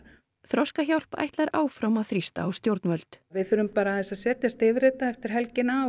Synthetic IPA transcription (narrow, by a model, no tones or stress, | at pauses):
θɾɔskaçawl̥pa̰jht̪laɾʔaːwfɾawmaθɾist̪a̰ːwst̪jowɾt̪nvœlt̪vɪðθʏːɾʏmpaːɾaθɛsaðsɛːt̪jast̪ɪvɾɪːt̪aɛft̪ɪɾ̥ɦɛlcɪna